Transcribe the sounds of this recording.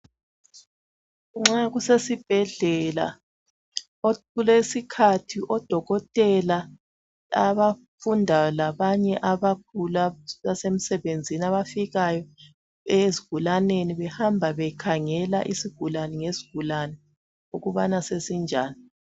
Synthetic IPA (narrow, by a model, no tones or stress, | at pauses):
ŋ͡ǁaɣusesib̥ʱɛɮɛla̰ | oɣulesikʰatʰiʔɔd̥ʱɔɣɔtʼɛla | aβa | fundʱajɔlaβaɲɛʔaβak̚ʰulaβasem̩sɛβend͡zʱinaβafiɣajɔ | ɛziɡ̥ʱulaneniβɛhambʱaβɛkʰaŋɛla̰ʔisiɡ̥ʱulanɛŋeziɡ̥ʱulanɛ | uɣuβanasesind͡ʒʱaːni